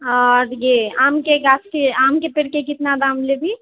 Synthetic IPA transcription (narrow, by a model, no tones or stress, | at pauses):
ɔɾjeaːmkeɡat͡ʃʰkeaːmkepeɽkekɪt̪nad̪ãːmlebʱi